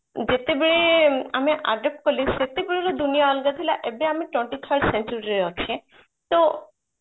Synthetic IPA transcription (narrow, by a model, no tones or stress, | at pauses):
d͡ʒet̪ebeɭeameʔa̰ɖep̚ʈkɔliset̪ebeɭelɔd̪unijaːlɡat̪ʰilaʔebeameʈweɳʈit̪ʰəɾɖsent͡ʃuɾiɾɔt͡ʃʰe | t̪o